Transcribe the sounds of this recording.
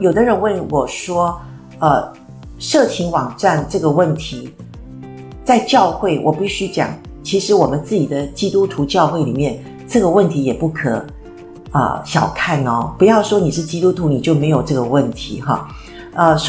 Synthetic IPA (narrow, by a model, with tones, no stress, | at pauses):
jo˨˩ʊd̪ə˦ɻə˧˥nwə˥˩nwʔɔ˨˩ʂwɔ˥ | ə˧ | ʂɤ˥˩t͡ɕʰi˧˥ŋwɑ˨˩ŋʈ͡ʂa˥˧nʈ͡ʂɤ˥˩ɡə˩wə˥˩nt̪ʰi˧˥ | t͡sa˥˧ɪt͡ɕjɑ˥˧ʊxwe˥˩ɪwʔɔ˨˩pi˥˩ɕy˥t͡ɕjɑ̰˨˩˦ŋ | t͡ɕʰi˧˥ʂɻ̩˧˥wɔ˨˩mə˦nt͡sɹ̩˥˩t͡ɕi˨˩d̪ə˦t͡ɕi˥t̪u˥t̪ʰu˧˥t͡ɕjɑ˥˧ʊxwe˥˩ɪli˨˩mjɛ˥˩n | ʈ͡ʂɤ˥˩ɡə˩wə˥˩nt̪ʰi˧˥jɛ˨˩pu˥˩kʰɤ̰˨˩ | ə̰˧ɕjɑ˨˩ʊkʰa˥˩nə˩˥pu˧˥jɑ˥˩ʊʂwɔ˥ni˨˩ʂɻ̩˥˩t͡ɕi˥t̪u˥t̪ʰu˧˥ni˨˩t͡ɕjo˥˩ʊme˧˥ɪjo˨˩ʊʈ͡ʂɤ˥˩ɡə˩wə˥˩nt̪ʰḭ˧˥˦xɑ̰˥˩ | ə˧